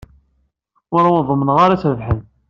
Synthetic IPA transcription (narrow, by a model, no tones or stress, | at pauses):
ʊɾaʊnðˤəmːənʁaɾasɾəvħən